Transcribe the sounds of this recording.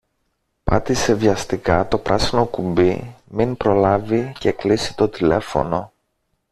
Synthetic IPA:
pɐ̰t̪ise̞vʝɐst̪ikɐt̪o̞pɾɐsino̞kumbḭminpɾo̞lɐvice̞klisi̥t̪o̞t̪ile̞̰fo̞̰no̞

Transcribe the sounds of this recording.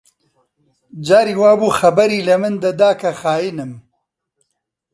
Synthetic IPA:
d͡ʒaːɾiːwaːbuːxɐbɐɾiːlɐmɨnd̪ɐd̪aːkʰɐxaːjinɨm

